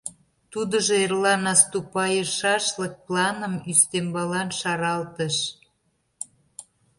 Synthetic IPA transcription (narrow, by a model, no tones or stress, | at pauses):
t̪ud̪əʒoerlɑnɑst̪upɑjəʃɑʃlə̆k̚plɑnə̆myst̪embɑlɑnʃɑɾɑlt̪əʃ